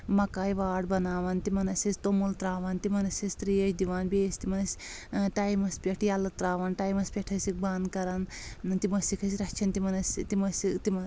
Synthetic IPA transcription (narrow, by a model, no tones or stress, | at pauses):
mɐkaːjʋaːɖ̚bɐnaːʋɐnt̪imɐnɐsʲɐst̪omult̪ɾaːʋɐnt̪imɐnɐsʲɐsʲt̪ɾijɐt͡ʃʰʲd̪iʋaːnbeːsʲt̪imɐnɐsʲʈaːjmɐspʲeʈʰjɐlɐt̪ɾaːʋɐnʈaːjmɐsʲpʲeʈʰɐsik̚bankɐɾɐnt̪imɐsʲikʰɐs̬ʲɾɐt͡ʃʰɐnt̪imɐnɐst̪imɐsit̪im